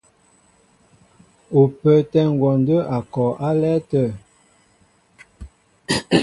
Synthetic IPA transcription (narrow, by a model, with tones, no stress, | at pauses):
o˨pə˨tɛ˦ŋ˨ɡwɔ˨ndə˦ʔa˨kɔ˨ʔa˦lɛ˦tə˦˨